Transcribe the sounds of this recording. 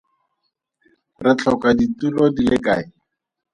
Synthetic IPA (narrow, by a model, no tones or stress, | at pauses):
rɪt͡ɬʰɔkaditulɔdilɪkaːɪ